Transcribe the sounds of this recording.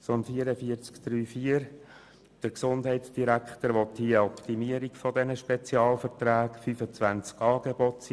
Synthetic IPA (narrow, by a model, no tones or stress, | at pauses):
sonfiəɾəfiəɾt͡skd̪̥ɾyːfiəɾ | d̥əɾksʊnd̥ɦɛɪtsd̥iɾækχtəɾʋɔthiɔpt̪imiəɾikfɔdɛnəʃpɛt͡siɑːlfəɾtɾæːkfyfət͡sʋænt͡skɑːɡeb̥ɔts